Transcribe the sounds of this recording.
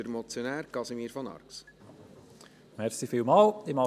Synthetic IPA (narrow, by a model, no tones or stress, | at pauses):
əɾmɔt͡sjonæːɾkɑsimiːɾfɔnɑ̰ɾks | mɛɾsifiːlmɑːlɪmɑ